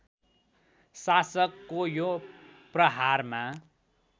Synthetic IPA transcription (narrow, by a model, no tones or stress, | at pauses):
sasʌkːojoprʌɦarma